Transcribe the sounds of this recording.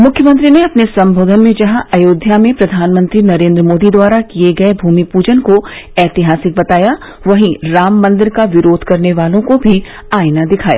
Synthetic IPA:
mʊkʰjəmə̃nt̪ɾineɐpnesɐ̃mbʱoːd̪ʱənmẽd͡ʒɐɦãʔɐjoːd̪ʱjamẽpɾɐd̪ʱaːnmə̃nt̪ɾinɐɾẽːnd̪ɾəmoːd̪id̪waːɾakijeɡɐebʱuːmipuːd͡ʒənkoɛːt̪ɪɦaːsɪk̚bɐt̪aːja | ʋɐɦĩɾaːmːɐ̃nd̪ɪɾkaʋɪɾoːd̪ʱkɐɾneʋaːlõkobʱi | aːjnad̪ɪkʰaːja̰ː

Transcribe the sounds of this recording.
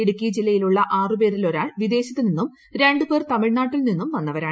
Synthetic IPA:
eɽukːiɐd͡ʑilːɐjiluɭːɐʔaːrɨp̬e̞ːɾilo̞ɾaːɭʋid̪e̞ːɕɐt̪ːɨninːum | ɾe̞ɳɖɨpert̪ɐmiɻnaːʈːilninːumʋɐnːɐʋɐɾaːɳ

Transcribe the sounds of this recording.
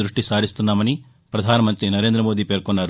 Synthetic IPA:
ɾuʂʈisaːɾist̪unːaːmɐni | pɾɐd̪ʱaːnɐmɐnt̪ɾinɐɾe̞ːnd̪ɾɐmo̞ːd̪iːpe̞ːɾkɔnːaːɾu

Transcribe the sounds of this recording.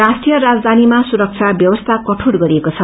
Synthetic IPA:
rasʈijʌɾad͡zd̪ʱanimasuɾʌk̚t͡sʰabjʌwʌst̪ʰakʌʈʰuɽɡʌɾiekot͡sʰʌ

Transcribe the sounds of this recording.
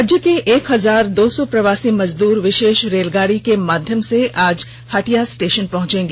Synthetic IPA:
d͡ʒjəkeʔeːkɦɐzaːɾd̪oːsɔpɾɐʋaːsimɐzd̪uːɾʋɪʃeːʃɾeːlɡaːɽikemaːd̪ʱjəmseʔaːd͡ʒ | haːʈijasʈeːʃənpɐɦʊ̃t͡ʃẽːŋɡe

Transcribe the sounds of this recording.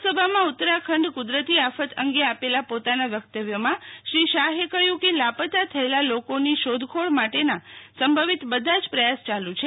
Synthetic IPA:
səbʱamãʊt̪ːɾakʰəɳɖkud̪ɾət̪iafət̪əŋɡeapelapot̪anaʋjək̚t̪əʋjəmãʃɾiʃaɦekəɦjũkelapət̪at̪ʰəelalokoniʃod̪ʱkʰoɭmaʈenasəmbʱəʋit̪bəd̪ʱãd͡ʒpɾəjast͡ʃalũt͡ʃʰe

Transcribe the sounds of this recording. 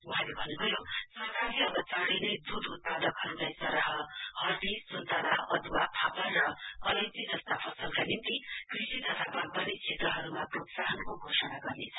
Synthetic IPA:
wuɦãlebʱʌnːubʱʌjosʌɦkaɾiʌbʌt͡sãɾʌjnʌjd̪ud̪ut̪̚pad̪ʌkɦʌɾulajsʌɾaɦʌhʌrd̪isunt̪ʌɾaʌd̪wapʰapʌnrʌkʌled͡zid͡zʌst̪apʰʌsʌlkanint̪ikrisit̪ʌt̪ʰabaɡbʌnet͡sʰet̪rʌɦʌɾumaprot̪saɦʌnkoɡʱosʌnaɡʌrnet͡sʰʌ̥

